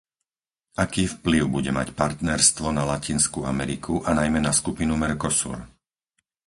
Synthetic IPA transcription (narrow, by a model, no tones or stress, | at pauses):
akiːfpliʊbuɟɛ̰ma̰cpaɾt̪nɛɾst̪ʋɔnalacinskuamɛɾikʰuʔanajmɛnaskupinumɛɾkɔsṵɾ